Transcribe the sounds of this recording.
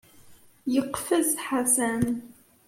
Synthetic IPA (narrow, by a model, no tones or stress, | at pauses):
jəqːfəzħasæn